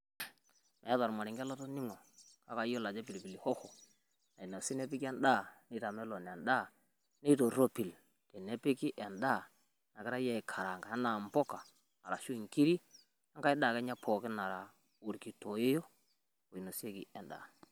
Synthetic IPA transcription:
mɛ˨˦ða˨ɾma˨ɾɪ˨ŋɡɛ˦lɔ˦tɔ˦nɪ˦ŋɔ˨ka˦ka˨jo˦la˨d͡ʒɛ˦pi˨lpi˨li˨hɔ˦xɔ˨ | na˨i˨no˨si˦nɛ˦pɪ˦kɛ˦nda˦˨ne˦ta˨mɛ˦lɔ˨n˨ɛ˨nda˦˨ | ne˦to˨ɾo˦pi˨l | tɛ˨ne˦pɪ˦ki˦ʔɛ˨nda˦˨ | na˨kɪ˦ɾa˦ja˦ɪ˨kʰa˨ɾa˨ŋɡa˨a˦na˨m˨pɔ˦kaː˨ | ɾa˨ʃu˦i˨ŋki˦ɾi˦ | a˦ŋka˦ɪ˦da˦˨kɛ˦ɲa˦pʰɔ˨kɪ˦na˨ɾa˨ | o˨ɾki˨to˨je˦jo˦ | ko˨i˨no˨se˦kḭ˨ɛ˨nda̰˨

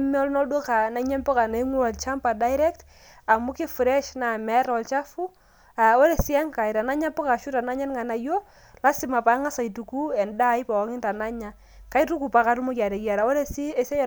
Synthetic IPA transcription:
m˦ɔ˦lnɔ˦dwɔ˦ka˨na˦ɲɛ˦npɔ˦ka˨na˨˦ŋwu˦wɔ˨lt͡ʃa˦mpa˨da˦ɪɾɛ˦kt | a˨mu˦kɪ˦fɾɛ˦ʃna˨mɛ˦ɾɔ˨lt͡ʃa˦fu˦ | a˨ɔ˦lɛ˨si˦a˦ŋka˨jɾa˨na˦ɲa˦pɔ˦ka˨ʃu˦ta˨na˦ɲɛ˦nŋa˨na˨jo˦ | la˦sɪ˨ma˨pa˦ŋa˦sa˨i˨tu˨ku˦ɛ˨nda˦jpa˨wɔ˨˦ŋɪ˦nta˨na˦ɲa˨ | ka˦i˦tu˦ku˨pa˨ka˨ɾu˦mɔ˦kja˨ɾɛ˨kja˨ɾa˨o˦le˦si˦ɛ˦sɛ˦j

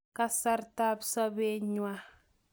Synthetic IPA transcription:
ka˦sa˦ɾta˦bsɔ˦be˦ɲwa˦

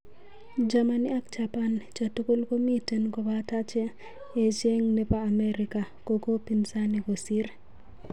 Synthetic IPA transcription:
d͡ʒa˨ma˨ni˦a˦k̚t͡ʃa˨pa˦nt͡ʃa˨tu˦ko˦lko˦mi˦te˨nko˨bata˦t͡ʃe˦ | e˨t͡ʃe˦ŋne˦paː˦˨mɛ˦ɾi˨ka˨ | ko˦ko˦pi˨nsa˦ni˨ko˨si˦ɾ

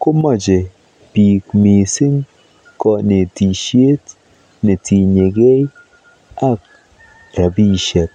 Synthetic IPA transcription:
ko˦mɔ˦˨d͡ʒe˨ | pi˨kmi˨si˦ŋ | kɔ˦ne˨ti˨ʃe˦t | ne˨ti˨ɲe˨ɡe˦j | a˦k̚ | ɾa˨bi˦˨ʃe˨t̚

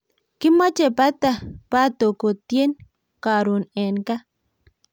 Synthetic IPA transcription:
kɪ˦ma˦t͡ʃe˨pa˦t̪a˨pa˦t̪o˨ko˨t̪je˦n | ka˨ɾo˨nɛ˨nka˦

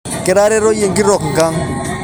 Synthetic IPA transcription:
ke˨ɾa˦ɾe˦ɾo˦je˨ŋki˦ɾɔ˨kŋ˨ɡa˦ŋ

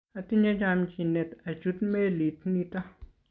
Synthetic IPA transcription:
a˨t̪i˦ɲa˦d͡ʒa˨mt͡ʃi˨ne˨t̪a˨d͡ʒu˦t̪me˦li˨t̪ni˧t̪a˦

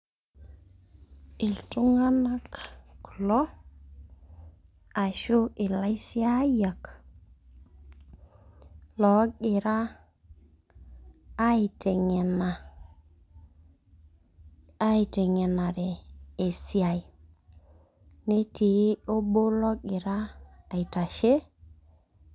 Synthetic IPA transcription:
i˨ltu˦ŋa˦na˦kklɔ˦ | a˨ʃu˦ʔi˨la˦si˦a˦ja˨k | lɔ˨˦kɪ˨ɾa˦ | i˨te˨ŋe˨na˨ | a˦i˨te˨ŋe˨na˨ɾe˨e˨si˦a˨j | ne˦ti˨˦o˦bo˦lɔ˦kɪ˨ɾaː˦˨i˨ta˨ʃe˦

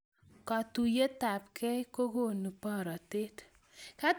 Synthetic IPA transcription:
ka˨tu˨je˦ta˨pkɛ˦ko˦ɡo˦˨nu˨pɔ˦˨ɾɔ˨te˦t̪ | ka˦

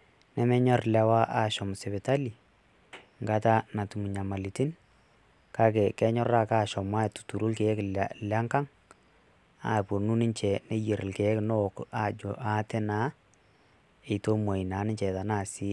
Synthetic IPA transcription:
nɛ˦mɛ˦ɲɔ˦rlɛ˨wa˦ʔa˦˨ʃɔ˨m˨sɛ˨βɛ˨ta˦li˨ | ŋɡa˦ta˦na˨tu˨mu˨ɲa˨ma˨li˨ti˦n | ka˦kɛ˨kɛ˦ɲɔ˦ra˦kaː˦˨ʃɔ˨mwa˦ɛ˨tu̥˨tu˨ɾu˦lke˨˦klla˦ŋka˦ŋ | a̰˨po˨nu˦nɪ˦ɲt͡ʃɛ˨ne˦je˨ɾɪ˨lkɛ˨˦kno˦˨ka˦d͡ʒɔ̰˨ʔa˦tɛ˦na˦ | e˨to˦mwa˨i˨na˨˦nɪ˦ɲt͡ʃɛ˨ta˨naː˦˨si˦

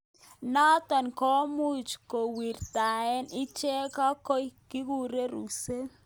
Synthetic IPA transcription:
nɔ˦t̪ɔ˨nkɔ˦mu˦t͡ʃko˨wi˨rt̪a˨ɛ˦nɪ˦t͡ʃɛ˦ka˦ko˦jkɪ˦ku˦ɾe˦ɾṵ˨se˦

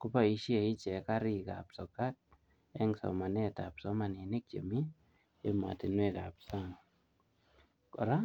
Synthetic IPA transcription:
ku˦pa˨i˦ʃje˨i˦t͡ʃɛ˨ka˦ɾi˨ka̰˨psɔ˨ka˦t̚ | ɛ˦ŋsɔ̰˨ma˨nɛ˦ta˨psɔ˦ma˨ni˨ne˦k̚t͡ʃḛ˨mi˦ | ema̰˨ti˨nwe˦ka˨psa˦ŋ | kɔ̰˨ɾa˦

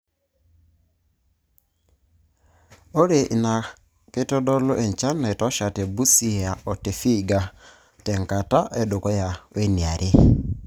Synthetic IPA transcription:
o˦ɾe˨ʔi˨na˨ | ke˦tɔ˦dɔ˦lo˦ʔɛ˨ɲ˨t͡ʃa˦na˨tɔ˦ʃa˨te˨bu˦si˦a˨ɔ˨te˨fi˦˨ɡa˨ | tɛ˨ŋka˨ta˦ʔe˨do˨kɔ˦ja˨we˦ni˨a˨ɾʔe˦

